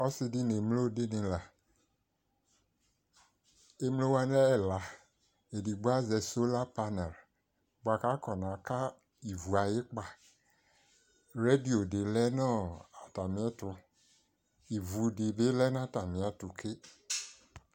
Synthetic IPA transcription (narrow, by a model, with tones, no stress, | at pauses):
ɔ˦sɪ˦dɪ˦ne˨mlo˦˨de˦nɪ̃˨la˨ | e˦m˦lo˦wa˦n˦ɛ˦ɛ˨la˨ | e˨di˨ɡ͡ba˦zɛ˨so˦la˦pa˦nɛ˨l | bo˨a˨ka˦kɔ˨nã˨ka˦ | i˨vu˨a˨jɪ˦k͡pa˨ | ɾe˦di˨o˨dɪ˨lɛ˦nɔ˦a˨ta˨mɪ̃˨˦ɛ˦tʊ˨ | i˨vu˨dɪ˨be˦lɛ˦n˦a˦ta˨mɪ̃˨a˨tʊ˨kʰe˦